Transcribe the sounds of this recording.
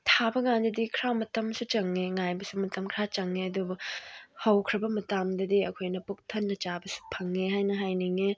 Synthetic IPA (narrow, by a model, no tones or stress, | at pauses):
tʰabɐŋandɐdikʰɾamɐtɐmsut͡ʃɐŋːeŋajbɐsumɐtʰɐmkʰɾat͡ʃɐŋːeɐdubuhɐwkʰɾɐbɐmɐtamdɐdiɐ̰kʰojnɐpuk̚tʰɐnːɐt͡ʃabɐsu̥pʰɐŋːeɦajnɐɦajniŋe